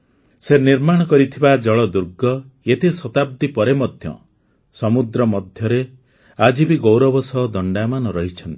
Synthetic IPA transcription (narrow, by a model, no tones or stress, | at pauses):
seniɾmaɽ̃ɔkɔɾit̪ʰibad͡ʒɔɭɔd̪uɾɡɔet̪esɔt̪ab̚d̪ipɔɾemɔd̪ʱjɔ̰ | sɔmud̪ɾɔmɔd̪ʱjɔɾe | ad͡ʒibiɡowɾɔbɔsɔɦd̪ɔɳɖamanɔɾɔɦit͡ʃʰɔnt̪i̥